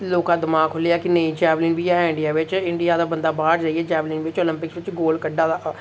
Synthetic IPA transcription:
loːkãːd̪ɪmaːkɦoliaːkɪnəĩːd͡ʒɛːblĩːnbiːaɪ̃ɳɖɪjaːʋɪt͡ʃɪɳɖɪjaːd̪aːbənd̪aːbaːɾd͡ʒaːiɦɛːd͡ʒɛːbliːnʋɪt͡ʃoːlɪ̃mpɪksʋɪt͡ʃɡoːlkəɖːaː

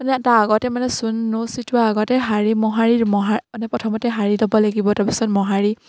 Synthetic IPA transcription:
anɛataːɡɔtɛmanɛsunːositʊaaɡɔtɛɦaɹimɔɦaɹiɹmɔɦaanɛpɹɔtʰɔmɔtɛɦaɹilɔbɔlaɡibɔtapisɔtmɔɦaɹi

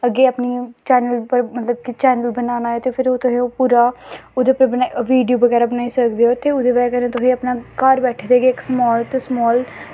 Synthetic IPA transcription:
əɡeːapniːt͡ʃɛːnəlpəɾmət̪ləb̚kiːt͡ʃɛːnəlbənaːnaːɛːt̪eːpʰɪɾoːt̪ʊɦẽːopuːɾaːod̪eːpːbənaʋiːɖijoːbəɡɛːɾaːbənaːiːsəkd̪eːɦoːt̪eːʊd̪eːʋɛːkəɾnẽːt̪ʊɦĩːəpnaːkəɾbɛːʈʰːd̪eːɡeɪksmɔːlt̪ːsmɔːl

